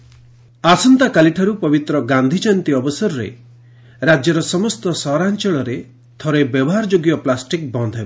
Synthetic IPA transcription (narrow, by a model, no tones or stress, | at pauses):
asɔnt̪akaliʈʰaɾupɔbit̪ɾɔɡand̪ʱit͡ʃant̪iɔbɔsɔɾɔɾḛ | ɾad͡ʒjɔɾɔsɔmɔst̪ɔsɔɾant͡ʃɔɭɔɾe | t̪ʰɔɾebjɔbɔɦaɾd͡ʒoɡjɔplasʈik̚bɔnd̪ʱeb